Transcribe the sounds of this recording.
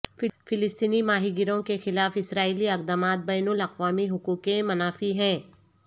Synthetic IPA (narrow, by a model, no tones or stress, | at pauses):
ffɪlɪst̪iːnimaːɦiɡɪɾõkexɪlaːfɪsɾaːiːliɐqd̪amaːt̪̚bɛːnʊlɐqʋaːmiɦʊkuːkẽmɐnaːfiɦɛ̃ː